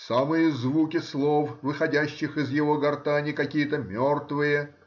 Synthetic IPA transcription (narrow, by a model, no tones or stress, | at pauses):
samɨjəzvukʲɪslˠofvɨxɐdʲæɕːɪxɪzjɪvo̞ɡɐrt̪anʲɪkɐkʲijət̪əmʲort̪vɨjə